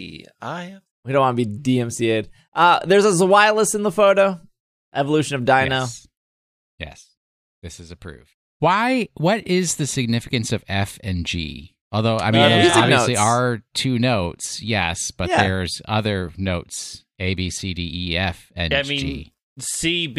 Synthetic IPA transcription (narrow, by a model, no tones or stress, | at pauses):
a̰ɪ | widõʊ̃nwɑ̃nəbidiɛ̃msieɪd̥̚ | ʔʌðə˞zʌzəwaɪlˠəsɨ̃nðəfoʊɾoʊ | ʔɛvəlʉʃɨ̃nʌvdãɪnə | jɛ̰s | ðɪsɨzɨpʰɹ̥ʉ̰v̥d̥ | waɪwʌɾɪzðɨsɨɡ̚nɪfɨkɨ̃nsʌvɛfɨ̃nd͡ʒḭ | ʔɔlˠðoʊa̰ɪmĩnɑvisliə˞tʰʉnoʊtsjɛ̰sb̥ʌt̪ðə˞zʌ̰ðə˞noʊts | eɪbisidiiɛfɛ̰̃aɪmĩd͡ʒḭ | sib